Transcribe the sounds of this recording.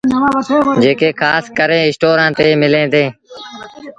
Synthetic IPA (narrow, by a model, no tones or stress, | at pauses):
d͡ʒeːkeːkʰaːskəɾẽːɪsʈoːɾãːt̪eːmɪlẽːd̪eː